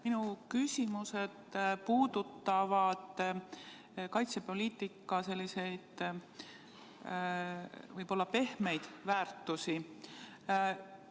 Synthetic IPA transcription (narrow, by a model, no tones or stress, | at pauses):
minukysʲimuse̞d̪̥puːd̪̥ut̪ːɑvɑd̪̥ | kɑjt̪sepo̞liːt̪ːˑikːˑɑse̞lʲːise̞jd̪̥ | vɤjb̥o̞lːɑpe̞hme̞jd̪̥væːrt̪ːˑusi